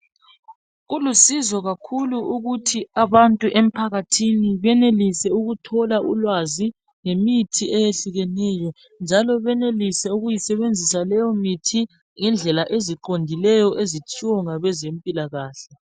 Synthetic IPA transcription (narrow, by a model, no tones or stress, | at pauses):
ɣulusizɔɣakʰuluʔuɣutʰiaβantʼuʔem̩pʰaɣatʰiniβɛnelisɛuɣutʰɔlaʔṵlwazi | ŋemitʰiɛjeɬuɣɛnɛːjɔ | nd͡ʒʱalɔβɛnelisɛuɣujisɛβend͡zʱisalɛjɔmitʰi | ŋɛnd͡ɮʱɛlaʔeziǃondʱilɛjɔʔezit͡ʃʼiwɔŋaβɛzempʼilaɣaːɬɛ